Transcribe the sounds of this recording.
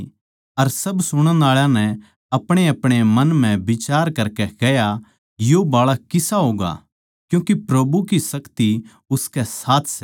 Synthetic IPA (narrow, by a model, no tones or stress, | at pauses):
ɐɾsɐbsʊɽ̃ə̃nd̪aːɭãnɛ | ɐpɽ̃eɐpɽ̃emɐ̃nm̤ɛ̃bɪt͡ʃaːɾkɐɾkɛkɛja | jobaːɭakɪsaɦoːɡa̰ | kjũːkipɾɐbukisɐkt̪i | ʊskɛsaːt̪ʰsɛ